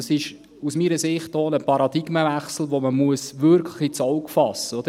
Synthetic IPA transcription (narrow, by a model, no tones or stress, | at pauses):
sɪʃ | usmiːɾəsɪχt̚dɔːnəpʰɑɾɑd̥iɡməvæχsl̩ˠʋoməmuəsʋʏɾkʰləχit͡sɔʊkfɑsəod̥̪ə